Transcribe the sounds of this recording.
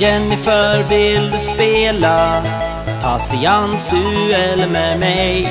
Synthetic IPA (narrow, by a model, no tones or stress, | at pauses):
jɛnːɪfœɾvɪld̪ʉspeːla | pʰasɪansd̪ʉɛlːəmɛmɛj